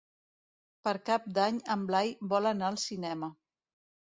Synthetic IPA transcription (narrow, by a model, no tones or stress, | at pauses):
pəɾkap̚d̪aɲəmblajbɔlənaəlˠsinɛmə